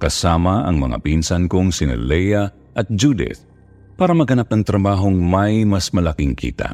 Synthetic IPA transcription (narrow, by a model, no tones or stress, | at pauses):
kɐsaːmɐʔɐ̰ŋmɐ̰ŋa̰pinsɐnkʊŋsɪnɛ̰lɛja | ʔɐt̪̚d͡ʒud̪ɪ̰t̪ | paːɾɐmɐɡɐnap̚nɐŋt̪ɾɐbaːɦoŋmɐjmɐsmɐlɐkiŋkʰḭːt̪a̰